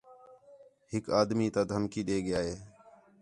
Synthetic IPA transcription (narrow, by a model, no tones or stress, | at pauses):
hɪkaːd̪miːt̪ãːd̪ʱəmkiːɗeːɠɪjaːɦeː